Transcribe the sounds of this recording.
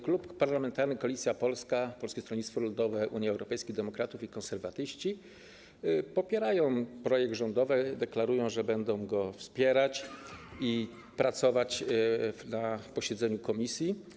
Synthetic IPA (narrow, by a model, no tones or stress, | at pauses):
kluppaɾlamɛnt̪aɾnɘkɔlʲit̪sʲjapɔlskapɔlskʲɛst̪ɾɔlɲit̪fɔlund̪ɔvɛʔuɲjiɛwɾɔpɛjskʲiɣd̪ɛmɔkɾat̪ufikɔ̃nsɛɾvat̪ɘɕt͡ɕi | pɔpʲjɛɾajɔ̃w̃pɾɔjɛɡ̪̚ʐɔnd̪ɔvɛd̪ɛklaɾujɔ̃w̃ʐɛbɛnd̪ɔ̃w̃ɡɔfspʲjɛɾat͡ɕi | pɾat̪sɔvat͡ɕ | napɔɕɛd̪zɛɲukɔmʲisʲji